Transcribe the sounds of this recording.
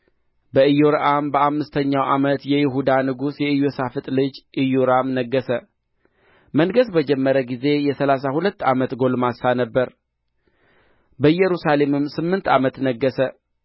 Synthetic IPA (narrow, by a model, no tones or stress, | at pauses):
bəɨjoɾʔambəamːɨst̪ʰəɲːawʔamət̪jɛjɪɦud̪anɨɡusjɛɨjosafɨt̪ʼlɨd͡ʒʔɨjoɾamnəɡːəsə | məŋɡəsbəd͡ʒɛmːəɾəɡize̞jɛsəlasahulət̪ːamət̪ɡo̞lmasanəbːəɾ | bəjɛɾusale̞mɨmːsɨmːɨnt̪ʰa̰mət̪nəɡːəsə